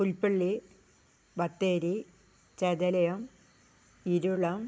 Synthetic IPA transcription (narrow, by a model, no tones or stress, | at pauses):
ulpeɭːi | bɐt̪ːeːɾi | t͡ɕed̪ɐlɐjɐm | iɾuɭɐm